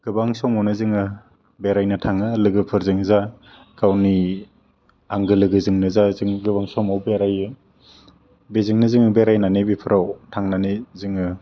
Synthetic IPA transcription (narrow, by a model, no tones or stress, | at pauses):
ɡ̥ɯbaŋsɔmawnɯzɯŋɯ | beɾajnatʰaŋɯlɯɡɯpʰɯɾzɯŋza | kawni | aŋɡɯlɯɡɯzɯŋnɯzazɯŋɡɯbaŋsɔmawbeɾajɯ | bezɯŋnɯzɯŋɯbeɾajnanebipʰɯɾawtʰaŋnanezɯŋɯ